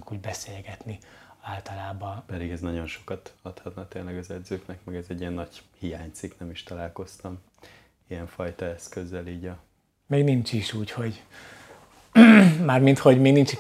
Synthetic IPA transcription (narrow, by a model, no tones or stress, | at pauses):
kuːɟbɛseːlɡɛt̪niaːlt̪ɒlaːbɒpɛd̪iɡɛznɒɟo̞nʃo̞̥kɒt̪ɒt̪hɒt̪nɒt̪eːnlːɛɡɒzɛd̪zøːknɛkmɛɡɛzɛɟːiɛnːɒɟhijaːɲt̪siknɛmiʃt̪ɒlaːlko̞st̪ɒm | ijɛɱfɒjt̪ɒɛskøzːɛliːɟɒ | meːɡnint͡ʃiʃuːcho̞ɟ | maːrmint̪ho̞ɟmeːɡnint͡ʃi